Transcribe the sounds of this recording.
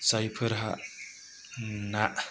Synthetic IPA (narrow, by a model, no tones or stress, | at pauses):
sajpʰəɾɦaʔ | naʔ